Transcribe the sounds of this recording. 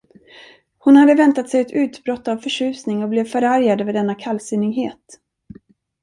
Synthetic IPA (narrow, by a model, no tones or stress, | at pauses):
hʊnhad̪ːəvɛnt̪at̪sɛjɛt̪ʰʉ̟ːt̪bɾɔt̪ːavfœʂʉ̟ːsnɪŋɔblɛvfœɾaɾjad̪vɛːd̪ɛnːakʰalsɪnːɪɡɦeːt̪